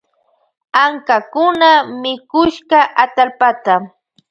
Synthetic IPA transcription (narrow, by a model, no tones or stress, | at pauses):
aŋkakʊnamɪkʊʃɢɑʔat̪alpat̪a